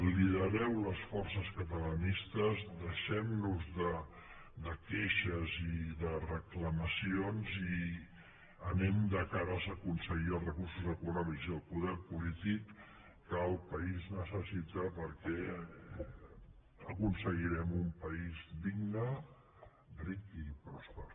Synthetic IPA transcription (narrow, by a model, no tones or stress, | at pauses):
liðəɾɛwləsfɔrsəskət̪ələnist̪əzd̪əʃɛmnuzðəd̪əkeʃəziðərəkləməsionzi | ənɛmd̪əkaɾəzəkunsəɣiəlˠzrəkursuzəkunɔmikziəlˠpuðɛɾpulit̪ikː | əːlˠpəiznəsəsit̪əpəɾkɛ | əkunsəɣiɾɛmumpəizd̪iɡnə | rikipɾɔspə